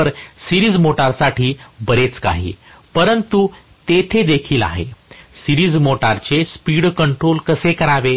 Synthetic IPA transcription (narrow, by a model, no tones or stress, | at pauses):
əɾsiɾiːd͡zmoʈaɾsaʈiːbəɾet͡ska̰ɦḭːpəɾənt̪u | t̪et̪ʰed̪ekʰiːla̰ɦḛsiɾiːd͡zmoʈaɾt͡ɕespiɽkəɳʈɾolkəsekəɾaʋe